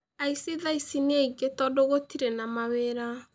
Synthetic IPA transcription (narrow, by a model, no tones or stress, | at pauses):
aisiðaisineeiɡetɔdoɣotiɾenamaweɾa